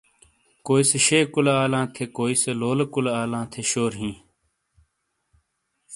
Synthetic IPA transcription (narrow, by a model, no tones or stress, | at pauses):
koːiseʃeːkʊlaaːlãːt̪ʰeːkoːiseloːlkʊlaaːlãːt̪ʰeːʃoːɾɦĩː